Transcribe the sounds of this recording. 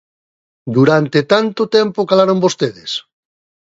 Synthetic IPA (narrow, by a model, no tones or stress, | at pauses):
d̪uɾant̪et̪ant̪ot̪ɛmpokalaɾombost̪eðes